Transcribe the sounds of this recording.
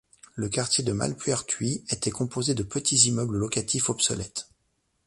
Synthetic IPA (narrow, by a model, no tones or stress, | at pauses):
ləkaʁt̪jed̪əma̰lpɥɛʁt̪ʰɥiet̪ɛkɔ̃pozed̪əpət̪izimœbləlɔkat̪ʰifɔpsɔ̰lɛt̪